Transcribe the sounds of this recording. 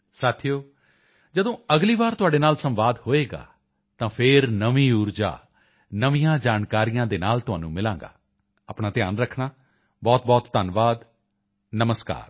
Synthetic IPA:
saːt̪ʰijoː | d͡ʒəd̪õːəɡliːʋaːɾt̪ʊɦaːɖeːnaːlsə̃mʋaːd̪hoːeːɡa̰ː | t̪ãːpʰɪɾnəʋĩːuːɾd͡ʒa̰ː | nəʋijãːd͡ʒaːnkaːɾijãːd̪eːnaːlt̪ʊɦaːnũːmɪlãːŋɡa̰ː | aːpɳaːt̪ɪjaːnɾəkʰnaː | bɔːt̪̚bɔːt̪ːənʋaːd̪ | nəməska̰ːɾ

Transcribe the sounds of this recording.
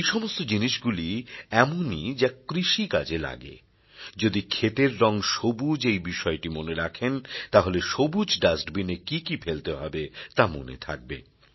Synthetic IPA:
ejʃɔmost̪od͡ʑiniʃɡuliɛmonid͡ʑakɾiʃikad͡ʑela̰ɡḛ | d͡ʑod̪ikʰet̪eɾːɔŋʃobud͡ʑejbiʃɔeʈimoneɾakʰent̪aɦoleʃobud͡ʑɖasʈbinekikifelt̪eɦɔbet̪amo̰nḛt̪ʰa̰k̚bḛ

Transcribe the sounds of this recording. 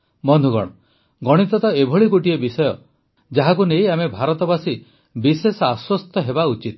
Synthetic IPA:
mɔnd̪ʱuɡɔ̰ɽ̃ɔ | ɡɔɽ̃it̪ɔt̪ɔebʱɔɭikoʈiebisɔjɔ | d͡ʒaɦakunejamebʱaɾɔt̪ɔbasi | bisesaswɔst̪ɔɦebaut͡ʃit̪

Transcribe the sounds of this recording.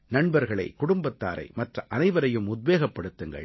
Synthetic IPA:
nɐɳbɐɾɣɐɭɐɪkʊɽʊmbɐt̪ːa̰ːɾɐ̰ɪmɐʈrɐʔɐnɐɪʋɐɾɐjɯmʊd̪̚ʋeːɣɐpːɐɽɯt̪ːɯŋɡɐ̰ɭ

